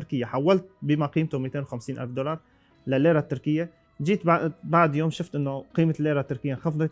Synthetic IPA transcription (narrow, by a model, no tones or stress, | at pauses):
ʊɾkɪjːaħawːalt̪̚bɪmaqiːmt̪ʊmiːt̪eːnwxamsiːnʔa̰lfd̪olɑɾˤ | lɪlːeːɾat̪ːʊɾkɪjːa | d͡ʒiːt̪baʕd̪joːmʃʊft̪ʔɪnːʊqiːmalːeːɾat̪ːʊɾkɪjːanxɑfd̪ˤɑ